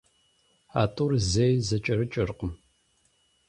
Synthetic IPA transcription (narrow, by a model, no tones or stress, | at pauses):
a̰ːtʼurzejzɐt͡ʃʼɐɾɨt͡ʃʼɐrqəm